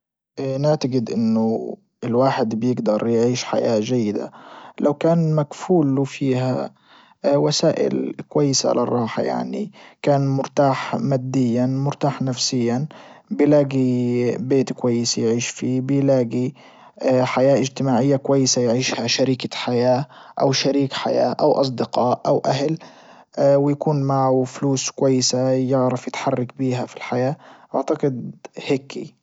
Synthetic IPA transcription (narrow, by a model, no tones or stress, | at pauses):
naʕt̪aɡɪd̪ʔɪnːʊ | ɪlwaːħɪd̪bɪjɪɡd̪ɑɾˤjʕiːʃħa̰jaːʒajːɪd̪a̰lawkaːnmakfuːlːufiːha̰ | wasaːʔɪ̰lkwajːɪsa̰ʕ̰lʔa̰rˤːɑːħa̰ja̰ʕnḭkaːnmʊɾt̪aːħmaːd̪ːɪjːanmʊɾt̪aːħnafsɪjːan | bɪlaːɡibeːt̪kwajːɪsijʕiːʃfibɪjlaːɡi | ħajaːʔɪd͡ʒt̪ɪmaːʕɪjːakwajːɪsajʕiːʃhaʃaɾiːkaħajaːʔawʃaɾiːkħa̰ja̰ːʔawʔɑs̬ˤd̪ɪqɑːʔʔawʔaɦl | wɪjakuːnmaʕafluːskʊwajːɪsajɪʕɾɪfjɪt̪ħɑrˤːɑkbiːɦafilħajaːʔa̰ʕt̪aqɪd̪hekḭ